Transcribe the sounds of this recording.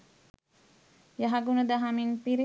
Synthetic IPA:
jaɦaɡunɐd̪aɦaminpiɾi

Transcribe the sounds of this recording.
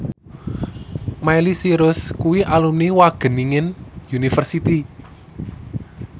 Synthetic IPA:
majlisiɾʊskuwiʔalumniwaɡ̥ə̤niŋɪnjunifərsit̪i

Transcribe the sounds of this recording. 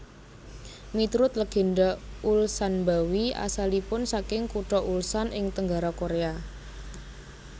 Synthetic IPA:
mit̪ɾʊt̪ləɡ̥e̤ndaulsanmbawia̰salipʊnsakɪŋkuʈɔʔulsanʔɪŋt̪əŋɡaɾakoɾea

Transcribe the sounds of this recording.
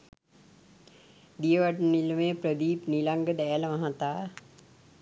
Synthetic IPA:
d̪ijəʋaʈnilmeːpɾəd̪iːpnilaŋɡəd̪ɛːləmaɦat̪aː

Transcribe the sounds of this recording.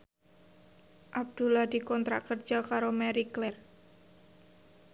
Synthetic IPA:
ʔab̚d̪̥ulahd̪̥i̤kɔnt̪ɾa̰kərd̥d͡ʒ̥akaɾomɛɾiklɛr

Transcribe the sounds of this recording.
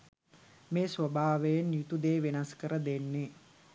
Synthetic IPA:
meːsʋəbaːʋejenjut̪ud̪eːʋenaskəɾəd̪enːe

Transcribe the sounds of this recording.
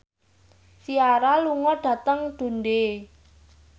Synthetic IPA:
siaɾaluŋɔɖ̥ä̤t̪əŋɖ̪̥o̤nde

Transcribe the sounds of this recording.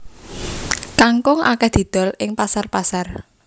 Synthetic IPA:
kaŋkʊŋʔa̰kɛhd̪̥i̤d̪̥ɔ̤lɪŋpasarpasar

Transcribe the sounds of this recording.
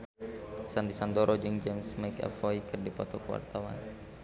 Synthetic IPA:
sand̪isand̪ɔɾʔɔd͡ʒɨŋd͡ʒɛmsmajkɛ̰fɔikɨrdipɔt̪ɔkəwa̰rt̪awa̰n

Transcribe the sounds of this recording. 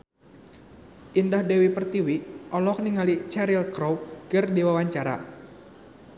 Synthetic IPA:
ʔindahdɛwipərt̪iwiʔɔlɔk̚niŋalit͡ʃɛɾilkɾowkərdiwawaɲt͡ʃaɾa̰

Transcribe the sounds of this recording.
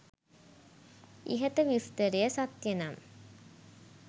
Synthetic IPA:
ḭɦət̪əʋist̪əɾejəsat̪jənam

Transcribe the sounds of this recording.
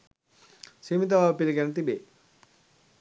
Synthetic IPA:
simit̪̬aʋapiliɡɛnut̪̬ibḛ

